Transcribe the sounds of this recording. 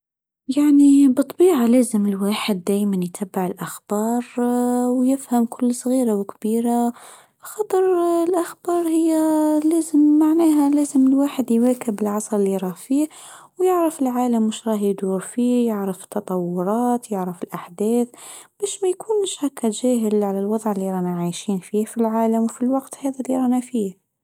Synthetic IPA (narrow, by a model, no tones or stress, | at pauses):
jaʕnibɨt̪ˤːbiːʕaleːzɪmɪlwaːħɪd̪ːæːjmanjt̪ʰabːɪʕɪlʔaxb̥ɑːɾˤwjɪfhamkʊlːsˤɣiːɾawkbiːɾa | xɑt̪ˤɨɾˤlʔaxbɑːɾˤhɪjːaleːzɪmːaʕnæːɦaleːzɪmɪlwaːħɪd̪jwaːkɪbɪlʕɑsˤɾˤɪlːiɾˤɑːhfiː | wjɪʕɾafɪlʕaːlamːʊʃɾˤɑːhjd̪uːɾfiːjɪʕɾaft̪ːɑt̪ˤɑwːʊɾˤɑːt̪jɪʕɾafɪlʔaħd̪æːθb̥æːʃmajkuːnʃhækːad͡ʒæːɦɪlʕalalwɑðˤʕɪlːiɾˤɑːnaʕajʃiːnfiːhfilʕaːlamwfilwɑqt̪hæːðaliɾˤɑːnafiːh